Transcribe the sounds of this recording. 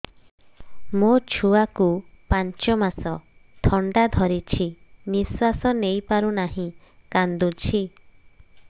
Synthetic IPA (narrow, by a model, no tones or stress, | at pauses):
mot͡ʃʰuakupaɲt͡ʃɔmasɔt̪ʰɔɳɖad̪ʱɔɾit͡ʃʰiniswasɔnejpaɾunaɦĩ | kand̪ut͡ʃʰi